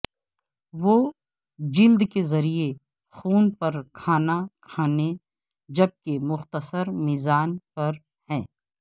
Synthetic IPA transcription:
ʋoː | d͡ʒɪld̪kezɐɾie | xuːnpɐɾkʰaːnakʰaːne | d͡ʒɐb̚kemʊxt̪əsəɾmɪzaːnpɐɾ | hɛ̃ː

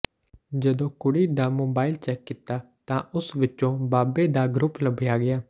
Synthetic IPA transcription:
d͡ʒəd̪õːkʊɽiːd̪aːmoːbaːɪlt͡ʃɛːkːɪt̪aː | t̪ãːʔʊsʋɪt͡ʃːõːbaːbeːd̪aːɡɾʊpləbɪjaːɡɪjaː

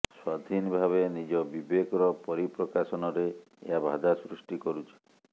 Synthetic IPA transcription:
swad̪ʱinbʱaβenid͡ʒɔbibekɔɾɔpɔɾipɾɔkasɔnɔɾe | ḛɦabʱa̰d̪asɾusʈikɔɾut͡ʃʰi̥

